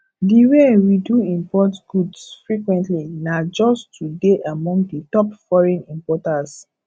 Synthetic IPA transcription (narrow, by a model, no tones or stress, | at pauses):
diwewiduĩmpɔtɡ̥udsfɹikwɛ̃ntlinad͡ʒɔstʰudeʔamɔ̃ŋɡditɔpfɔɹɛ̃nĩmpɔtas